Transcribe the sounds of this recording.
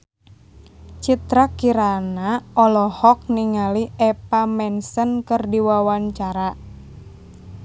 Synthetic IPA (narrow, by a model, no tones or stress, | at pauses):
t͡ʃit̪ɾakiɾanaʔɔlɔhɔk̚niŋaliɛpamɛnsənkɨrdiwawaɲt͡ʃaɾa